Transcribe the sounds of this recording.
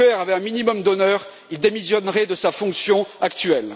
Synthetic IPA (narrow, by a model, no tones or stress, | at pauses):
ɛʁavɛɛ̃minimɔmd̪ɔnœːʁ | ild̪emisjɔnʁɛd̪əsafɔ̃ksjɔ̃akt̪ɥɛl